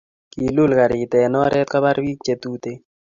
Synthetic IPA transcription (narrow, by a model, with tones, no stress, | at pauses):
ki˨lu˦˨lka˨ɾɪ˨t̪ɛ˨nɔ˦ɾʔɛ˦t̪̚ka˦ba˦ɾwi˦k̚t͡ʃe˨t̪u˦t̪e˦